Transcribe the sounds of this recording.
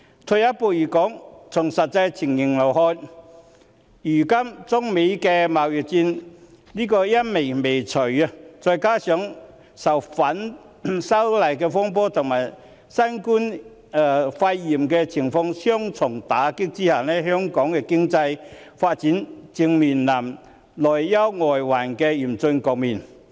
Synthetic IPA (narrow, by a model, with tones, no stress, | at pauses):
t̪ʰɵ˨˧jɐ˥t̚poː˧jiː˨˩kɔː˨˥ŋt͡sʰʊ˨˩ŋsɐ˨t̚t͡sɐ˧jt͡sʰɪ˨˩ŋjɪ˨˩ŋlo˨˩wɦɔː˧j | jyː˨˩kɐ˥mt͡sʊ˥ŋme˨˥jkɛː˧maː˨wjyː˨t͡siː˧n | liː˥kɔː˧jɐ˥t̚me˨˩me˨˩jt͡sʰɵ˨˩ɥɐ˧t͡sɔː˧jkaː˥sœː˨˥ŋ | sɐ˨˩wfɐ˨˥n | sɐ˥wlɐ˨˩jkɛː˧fɔː˥ŋp̬ɔː˥t̪ʰʊ˨ŋmaː˨˩j | sɐ˥nkuː˥nː˨ | fɐ˧jːiː˨˩mkɛː˧t͡sʰɪ˨˩ŋfɔ˧ŋsœː˥ŋt͡sʰʊ˨˩ŋt̪aː˨˥kɪ˥k̚t͡siː˥haː˨nɛː˥ɦœː˥ŋkɔː˨˥ŋkɛ˧kɪ˥ŋt͡sɐ˧jfaː˧t̚t͡siː˨˥nt͡sɪ˧ŋmiː˨nlaː˨˩m | lɔː˨˩jːɐ˥wŋɔː˨jwaː˨˩nkɛ˧jiː˨˩mt͡sɵ˧nkɔː˨k̚miː˨˩n